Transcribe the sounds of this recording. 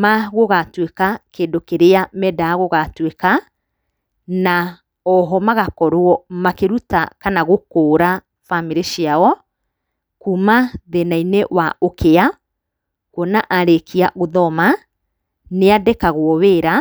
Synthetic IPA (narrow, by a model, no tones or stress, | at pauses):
maɣoɣatwekakeːndokeɾeamɛdaːɣoɣatweka | na | ɔɦɔmaɣakɔɾwɔmakeɾuta̰kanaɣokoːɾa | famiɾeʃiaɔ | kumaðenainewaʔokʰea | kwɔnaʔaɾekiaɣoðɔma | neadekaɣwɔweːɾa